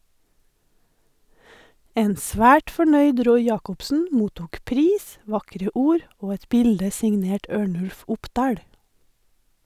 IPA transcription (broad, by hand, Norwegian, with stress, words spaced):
ˈeːn ˈsʋæːʈ fɔˈɳœʏd ˈɾɔʏ ˈjɑːkʊpsn̩ ˈmuːtuːk ˈpɾiːs ˈʋɑkɾə ˈuːɾ ˈoː ˈɛt ˈbɪldə sɪŋˈneːʈ ˈøːɳʉlf ˈʊpˌdɑːɽ